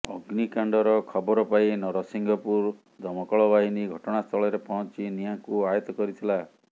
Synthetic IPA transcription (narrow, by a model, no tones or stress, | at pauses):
ɔɡnikaɳɖɔɾɔkʰɔbɔɾɔpainɔɾɔsiŋɡʱɔpuɾ | d͡ʒɔmɔkɔɭɔbaɦiniɡʱɔʈɔɽ̃ast̪ʰɔɭɔɾepɔɦɔnt͡ʃinijaŋkuajɔt̪ɔkɔɾit̪ʰila